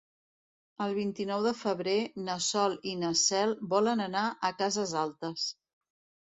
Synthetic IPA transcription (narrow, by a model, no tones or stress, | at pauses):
əlˠβ̞int̪inɔwðəfəβ̞ɾenəsɔlinəsɛlˠbɔlənənaʔəkazəzalˠt̪əs